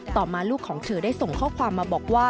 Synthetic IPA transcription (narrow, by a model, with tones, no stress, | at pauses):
t̪ɔː˨˩maː˧luː˥˩kʰːɔː˩˦ŋt͡ɕ̪ʰɤː˧˦daː˥˩jso˨˩ŋkʰɔː˥˩kʰwaː˧mːaː˧bɔː˨˩k̚waː˥˩